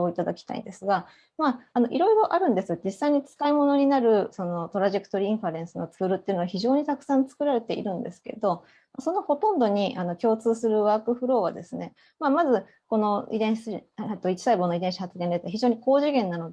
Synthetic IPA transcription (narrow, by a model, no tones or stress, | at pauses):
oit̪ad̪akʲi̥t̪a̰ḭnd̪e̞sɨɡa | maːno̞ʔiɾo̞iɾo̞ʔaɾɯ̟̃nd̪esɨjod͡ʑisːaiɲ̟it͡sɨ̥kaimo̞no̞ɲ̟inaɾɯ̟so̞no̞t̪o̞ɾaʑe̞kɯ̟̥t̪o̞ɾiĩɰ̃ɸaɾẽ̞ɰ̃sɨno̞t͡sɨːɾɯ̟t̪ːeiɯ̟noaçiʑo̞ːɲ̟it̪akɯ̟̥sãnt͡sɨ̥kɯ̟ɾaɾe̞t̪e̞ʔḭɾɯ̟̃nd̪e̞sɨ̥ke̞̰d̪o̞ | maso̞no̞ho̞t̪õ̞nd̪o̞ɲ̟iʔano̞kʲo̞ːt͡sɨːsɨɾɯ̟βaːkɯ̟ɸɯ̟ɾo̞ːβa̰d̪e̞sɨne̞ | mamazɨ | ko̞no̞ḭd̪ẽ̞ɰ̃set̪oit͡ɕi̥saibo̞noid̪ẽ̞ɕihat͡sɨɡẽnd̪et̪eçiʑoːɲ̟iko̞ːʑiɡẽ̞nːano̞d̪e